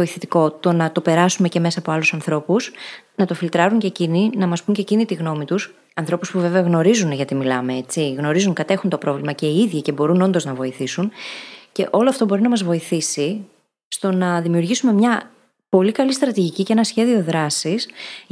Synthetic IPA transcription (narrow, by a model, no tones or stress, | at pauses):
oiθet̪iko̞t̪o̞nɐt̪o̞pe̞ɾɐsume̞ce̞me̞sɐːpo̞ɐlusɐnθɾo̞pusnɐt̪o̞filt̪ɾɐɾuɲce̞cininɐmɐspuɲcecinit̪iɣno̞mit̪us | ɐnθɾo̞puspuve̞veɐɣno̞ɾizunʝɐt̪imilɐme̞et͡siɣno̞ɾizuŋkɐt̪e̞xunt̪o̞pɾo̞vlimɐce̞iiðʝice̞bo̞ɾuno̞nd̪o̞znɐvo̞iθisunce̞ʔo̞lo̞ɐft̪o̞bo̞ɾinɐmɐzvo̞iθisi | st̪o̞nɐðimiuɾʝisume̞mɲɐ | po̞likɐlist̪ɾɐt̪iʝiciceenɐsçe̞ðioðɾɐsis